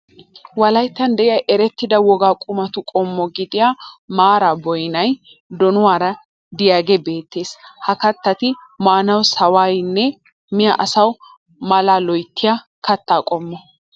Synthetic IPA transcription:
wɐlɐjt̪ːɐnd̪ɛʔɪjɐjʔɛɾɛt̪ːɪd̪ɐwɔɡaːkʼʊmɐt̪ʊkʼɔmːɔɡɪd̪ɪjaːmaːɾabɔjnɐj | d̪ɔnʊwaːɾɐ | d̪ɪjaːɡɛbe̞ːt̪ːe̞ːshɐkɐt̪ːɐt̪ɪmaːnɐwsɐwaːjnːɛ | mɪjɐ̰ʔɐsɐw | mɐlaːlɔjt̪ːɪja | kɐt̪ːaːkʼɔmːɔ

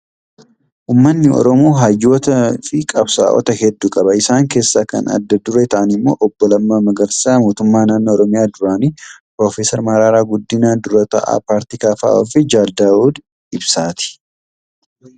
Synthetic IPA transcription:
ʔuːmːɐnːɪɔ̰ɾɔmoːɦɐjːo̞ːt̪ɐfɪkʼɐbsa̰ːʔɔ̰t̪ɐhɛd̪ːuːkʼɐbɐɪsaːŋke̞ːsːaːkɐ̰nɐ̰d̪ːɐd̪ʊɾeːt̪ɐʔɐnɪmːo̞̰ːʔɔbːɔlɐmːaːmɐɡɐɾsaːmoːt̪ʊmːaːnaːnːɔːɾɔmɪjaːd̪ʊɾaːnipɾoːfeːsɐɾmɐɾaːɾaːɡʊd̪ːɪnaːd̪ʊɾɐt̪ɐ̰ʔa̰ːpaːɾt̪iːkaːfa̰ːɔ̰fɪd͡ʒaːld̪aːuːd̪ | ɪbsaːt̪ɪ̥

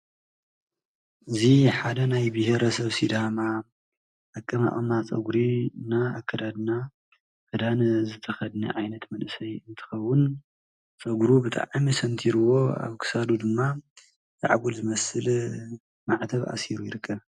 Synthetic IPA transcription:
ʔɨziħad̪ɐnajbɨheɾɐsɐβsid̪ama | ʔakʼːɐma̰χʼɐmat͡sʼɐ̰ɡɾinaːkʰːɐd̪ad̪na | kʰɨd̪anzɨt̪ʰɐxɐd̪nɐ̰ʕajnɐt̪mɐnɨsɐjɨnt̪ʰɨ̥xɐwːʊn | t͡sʼɐɡɾubɨt̪ʼa̰ʕmisɐnt̪ʰiɾɨwo̞a̰βkʰɨ̥sad̪ud̪ɨmːa | zʼa̰ʕɡulzɨmɐsɨl | maʕt̪ʰɐβʔa̰siɾujɪɾɨkʰːɐβ

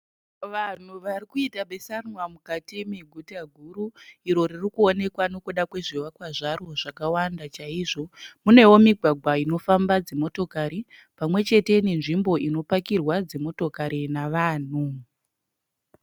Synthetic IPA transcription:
ʋan̤uʋarikuitaɓe̞sanwamukatiemiɡʱutaɡʱuɾuiɾo̞ririkuone̞kwano̞kuɗakwe̞ʐiwakwaʐaro̞ʐakawandat͡ʃaiʐo̞mune̞wo̞miɡʱwaɡʱwaino̞fambad͡ze̞mo̞to̞kaɾi | pamwe̞t͡ʃe̞te̞nenʐimbo̞ino̞pakirwad͡ze̞mo̞to̞kaɾinaʋaːn̤u

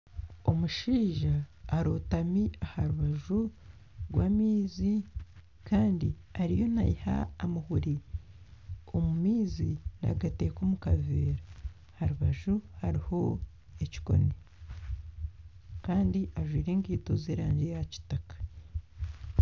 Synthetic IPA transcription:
o̞muʃiːʒaːɾoːtamiahaɾuβaʒu | ɡwaːmiːzi | kaːndi | aɾijo̞na̰jiha̰ːmuhuɾi | omumiːzina̰ɡate̞ːkoːmukaveːɾa | haɾuβaʒuhaɾiho̞ | eci̥ko̞̰ne | kaːndiʔaʒwiːɾeːŋɡiːtozeːɾaːɲɟejaci̥takḁ

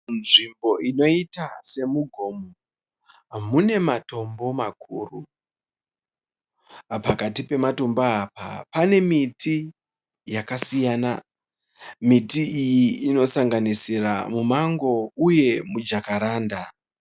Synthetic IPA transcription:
nʐimbo̞ʔino̞itase̞muɡʱo̞mo | ɦamune̞mato̞mbo̞makʰuːru | pakatipe̞matombaapa̰pane̞miti | jakasijaːna | mitiijiːno̞saŋɡanisira̰mumaŋɡo̞uje̞mud͡ʒakaɾaːnda

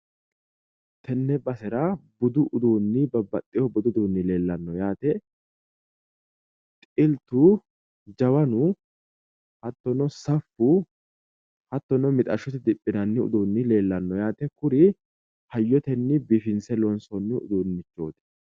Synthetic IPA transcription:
t̪ʰɛnːɛbɐsɛɾɐbʊd̪ʊʔʊd̪uːnːɪbɐbːɐt̪ʼːɪjɔbʊd̪ʊd̪uːnːɪle̞ːlːɐnːɔjaːt̪ɛ | t̪ʼɪlt̪u | d͡ʒɐwɐnʊ | hɐt̪ːɔnɔsɐfːʊ | hɐt̪ːɔnɔmɪt̪ʼɐʃʊt̪ɪd̪ɪpʼːɪnɐnːɪʊ̰d̪uːnːɪle̞ːlːɐnːɔjaːt̪ɛkʊɾɪ | hɐjːɔt̪ɛnːɪbifɪnsɛlɔnsɔnːɪʊ̰d̪uːnːɪt͡ʃːoːt̪ɛ̥

